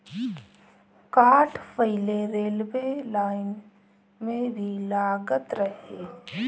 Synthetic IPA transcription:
kaːʈʰpəɪleɾeːlbelaːɪn | mẽbʱilaːɡət̪ɾəɦe

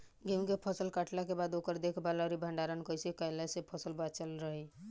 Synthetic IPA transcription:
ɡeũkepʰəsəlkaʈlakebad̪okəɾd̪ekʰbalaɾibʱəɳɖaɾənkəjsekəjlasepʰəsəlbat͡ʃəlɾəɦɛ

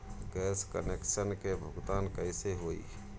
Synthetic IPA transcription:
ɡɛːskə̰nekʃənkebʱʊɡd̪aːnkəɪseɦoːḭ

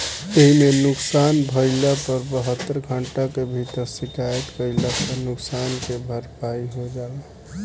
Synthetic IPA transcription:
eɦimenʊksanbʱəɪlapəɾbəɦət̪ːəɾɡʱəɳʈakebʱit̪əɾsikajət̪kəɪlasə̃nʊksankebʱəɾpaiɦod͡ʒala

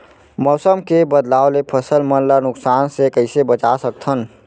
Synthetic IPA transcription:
mɔːsəmkebəd̪laːolepʰəsəlmənlanʊksaːnsekəɪsebət͡ʃasək̚t̪ʰən

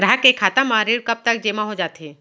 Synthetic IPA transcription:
ɡɾaɦkekʰaːt̪amaːɾiɾkɐb̚t̪ɐk̚d͡ʒeːmaɦod͡ʒaːt̪ɦe

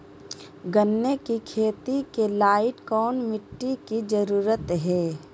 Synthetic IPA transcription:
ɡənːekikʰeːt̪ikelaːɪʈkɔːnmɪʈːikid͡ʒəɾuːɾət̪ɦɛː

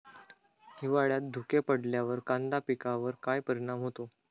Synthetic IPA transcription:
hiʋaɭjat̪̚d̪ʱukepəɽljaʋəɾkand̪apikaʋəɾkajpəɾiɽ̃amɦot̪o

